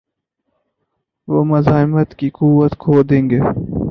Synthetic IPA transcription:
ʋomɐzɑːɪmət̪kikuwət̪kʰoːd̪ẽŋɡe

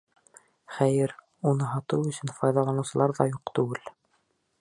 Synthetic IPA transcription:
χæjɘɾ | unɤɦɑt̪ɤwɵ̆sɵnfɑjðɑlˠɑnɤ̆sɤ̆lˠɑɾðɑjuqt̪ʉɡɘl

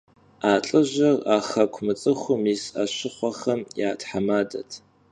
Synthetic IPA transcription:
aːɬʼɨʒʷɐraχɐkʷʰmɨt͡sʼɨxʷʊmisa̰ɕɪχʷɔχɐmjaːtʰħamaːdɐtʰ

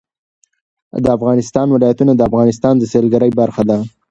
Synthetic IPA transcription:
d̪əafɣɑnɪst̪ɑnwɪlɑjat̪unad̪əafɣɑnɪs̬t̪ɑnd̪əselɡaɾəjbaɾxad̪a

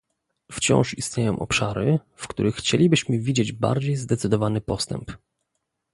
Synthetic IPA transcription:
ft͡ɕɔ̰̃w̃ʂist̪ɲʲejɔ̃ʔɔ̰pʂaɾɘ | fkt̪ṵɾɘxːt͡ɕelʲibɘɕmɘvʲid͡ʑed͡ʑba̰ɾd͡ʑejzd̪ɛt̪sɘd̪ɔvanɘpɔst̪ɛ̰mp

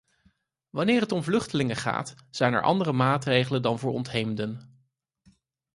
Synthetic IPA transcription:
ʋɑnɪːɹɦətɔmvlɵχtəlɪŋəχa̰ːt | z̥ɛjnɛ̰ɹʔɑ̰ndərəmaːtrejχələndɑnvʊːɹɔ̰ntɦejmdən

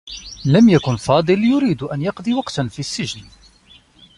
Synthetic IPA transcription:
lamjakʊnfɑːd̪ˤɨljʊɾiːd̪ʔanjɑqd̪ˤiwɑqt̪nfisːɪʒn

